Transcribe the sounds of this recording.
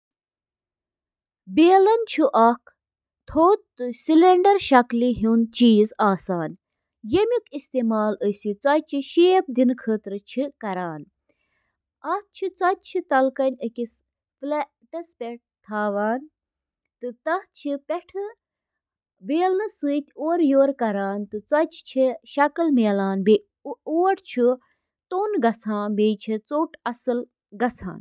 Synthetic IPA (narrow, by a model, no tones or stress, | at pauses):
beːlɐnt͡ʃʰuʔɐkʰ | t̪ʰoːt̪ːɨsileɳɖɐɾʃɐkliɦuːnt͡ʃiːzaːsaːn | jemikist̪eːmaːləsit͡sɐt͡ʃʰiʃeːp̚d̪inkʰəːt̪ɾɨt͡ʃʰikɐɾaːn | ɐh̪̚t͡ʃʰit͡sɐt̪̚t͡ʃʰit̪ɐlkɐnʲəkis | ple | ʈɐspʲɛʈ̚t̪ʰaːʋaːn | t̪ɨt̪ɐt͡ʃʰipʲeʈʰɨ | beːlnɨsɨːt̪ʲoːɾjoːɾkɐɾaːnt̪ɨt͡sɐt͡ʃʰt͡ʃʰiʃɐkɐlmeːlaːnbe | oːʈt͡ʃʰi | t̪oːnɡɐt͡sʰaːnbeːt͡ʃʰit͡soːʈʰɐsɨl | ɡɐt͡sʰa̰ːn